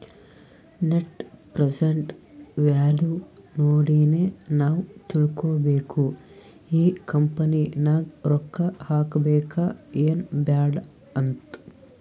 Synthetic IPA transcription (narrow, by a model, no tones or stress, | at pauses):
neʈpɾed͡ʒeɳʈʋaːlunoːɽiːneːnaːwt̪ilukoːbeːkʰu | iːkɐmpɐninaːɡɾɔkːɐhaːkɐbɛːkaːeːnbaːɖ | ɐnt̪